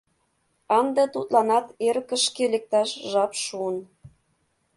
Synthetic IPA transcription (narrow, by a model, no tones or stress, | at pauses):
ɑnd̪et̪ut̪lɑnɑt̪eɾkə̆ʃkelek̚t̪ɑʃʒɑpʃuən